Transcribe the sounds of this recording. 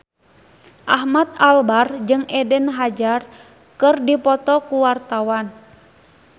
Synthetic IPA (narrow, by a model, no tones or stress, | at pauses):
ʔaɦmat̪̚albard͡ʒɨŋʔɛdɛnɦad͡ʒar | kɨrdipɔt̪ɔkuwart̪awan